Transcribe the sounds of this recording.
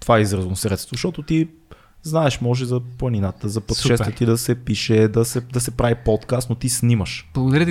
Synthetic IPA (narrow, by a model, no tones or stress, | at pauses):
t̪ovaɛizɾəznosɾɛt̪st̪voʃtɔt̪ot̪i | znaɛʃmɔʒɛzɐplˠɐninat̪əzɐpət̪ʃɛst̪ət̪id̪ɐsɛpiʃɛd̪ɐsɛd̪ɐsɛpɾavipɔt̪kast̪not̪isniməʃb̥lˠɐɡod̪ɾit̪